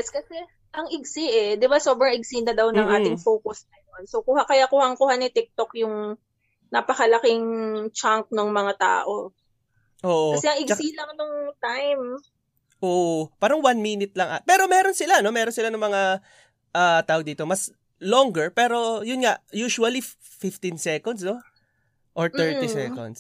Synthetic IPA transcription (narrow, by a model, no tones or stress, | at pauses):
jɛskɐsɛ | ʔɐŋʔɪɡsiʔɛd̪ɪbasobɾɐŋɪɡsinɐd̪ɐwnɐŋʔaːt̪ɪŋfoːkʊsnɐjo̞nsowkuhakɐjakuhɐŋkʊhanɪt̪ɪk̚t̪okjʊŋ | nɐpɐkɐlɐkɪŋt͡ʃaŋk̚noŋmɐŋat̪a̰ːʔo̞ | ʔoːʔokɐsɛɐŋɪɡsilɐŋnoŋt̪ajm | ʔoːʔopaːɾɐŋwanminɪt̪̚lɐŋʔapɛːɾomɛːɾonsɪlano̞mɛːɾonsɪlanʊŋmɐŋa | ʔaːt̪aːʔod̪iːt̪o̞mɐs | loŋɡɛɹpɛːɾo̞jʊnŋaʔjuːʃuɐli | fɪft̪insɛkond̪sno | ʔoɹt̪ɛɹt̪isɛko̰nd̪s